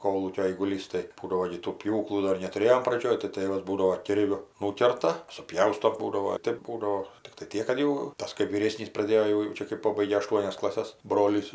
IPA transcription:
ˈkoːlˠuːkʲoː ɐɪɡʊˈlʲiːs tɐɪ ˈbuːdɐʋoː ɡʲɪ tuː ˈpʲjuːklˠuː ˈdoːr nʲɛtʊˈrʲeːjoːm prɐˈd͡ʒʲoːj tɐɪ ˈtɘʋɐs ˈbuːdɐʋoː ˈkʲɪrʲʋʲʊ ˈnuːkʲɛrtɐ sʊˈpʲjɛʊstoː ˈbuːdɐʋoː ˈtʲeːp ˈbuːdɐʋoː tʲɪkˈtɐɪ ˈtʲiɛk kɐt ˈjɛʊ ˈtɐs kɜp ʋʲiːˈrʲeːsʲnʲiːs prɐˈdʲeːjoː jɛʊ jɛʊ ˈt͡ʃʲɛ kɜp ˈpoːbɐɪɡʲeː ɐˈʃtuɔnʲɛs klˠɐˈsʲɛs ˈbroːlʲiːs

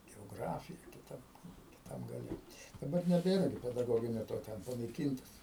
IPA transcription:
ɡʲɛoːˈɡrɑːfʲɪjɛ kʲɪˈtɐm kʲɪˈtɐm ɡɐˈlʲɛ dɐˈbɐr nʲɛˈbʲeːrɐ ɡʲɪ pʲɛdɐˈɡoːɡʲɪnʲoː toː ˈtʲɛn pɐnɐɪˈkʲiːntɐs

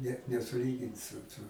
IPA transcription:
nʲɛt nʲɛsʊˈlʲiːɡʲɪn sʊ ˈtʊ

